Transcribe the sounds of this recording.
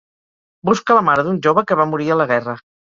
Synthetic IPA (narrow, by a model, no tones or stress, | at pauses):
buskələmaɾəðunʲʒoβəkəβamuɾiələɣ̞ɛrə